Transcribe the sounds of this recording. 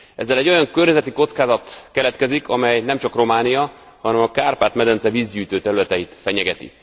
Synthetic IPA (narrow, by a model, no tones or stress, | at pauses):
ɛzːɛlɛɟːo̞jɒŋkørɲɛzɛt̪iko̞t̪skaːzɒt̪kɛlɛt̪kɛzikʰɒmɛjnɛmt͡ʃɒkro̞maːnijɒhɒnɛmɒkaːrpaːt̪mɛd̪ɛnsɛviːzɟyːt̪øːt̪ɛɾylɛt̪ɛjit̪fɛɲɛɡɛt̪ḭ